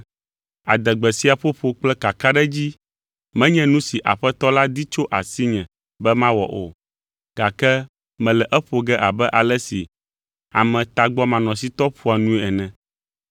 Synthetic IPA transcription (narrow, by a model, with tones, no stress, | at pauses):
a̰˨d̪ɛ˨ɡ͡bɛ˨si˦a˨ɸo˦ɸo˨k͡plɛ˦ka˨ka˦ɖɛ˦d͡ʑi˦ | mɛ̃˦ɲɛ̃˦nũ˦si˨ʔa̰˨ɸɛ˦t̪ɔ˦la˦d̪i˦t͡ʃo˦ʔa˨si˦ɲɛ̃˨ | bɛ˦mã˦wɔ̰˨ʔo̰˨ | ɡ̥a˨kɛ˦ | mɛ̃˨lɛ˨ʔɛ˦ɸo˨ɡɛ˦ʔa˨bɛ˦ʔa˨lɛ˦si˨ | a˨mɛ̃˨t̪a˨ɡ͡bɔ˦mã˨nɔ̃˨s̬i˦t̪ɔ˦ɸu˦a˨nũ˦e˦ɛ˨nɛ̃˨